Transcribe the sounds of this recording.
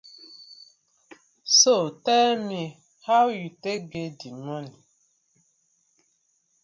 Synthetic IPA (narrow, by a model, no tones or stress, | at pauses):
sotɛmi | hawjuteɡedimoni